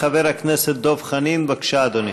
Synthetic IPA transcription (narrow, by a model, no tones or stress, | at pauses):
aveɾakneset̪̚d̪ovχaninbakʃaːd̪oni